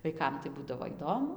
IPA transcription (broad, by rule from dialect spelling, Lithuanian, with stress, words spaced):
ʋɐɪˈkɐm tɐɪ ˈbuːdɐʋoː ˈiːdoːmʊ